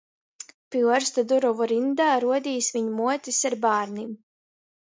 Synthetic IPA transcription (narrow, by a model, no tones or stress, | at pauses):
piɾst̪ad̪uɾɔvuɾind̪aːɾuɔd̪ʲiːsviɲumuɔt̪ʲisaɾbaːɾnim